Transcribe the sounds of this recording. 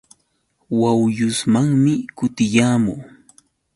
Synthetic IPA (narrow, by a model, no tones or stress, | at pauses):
wawjʊsmaŋmɪkʊt̪ɪjaːmʊː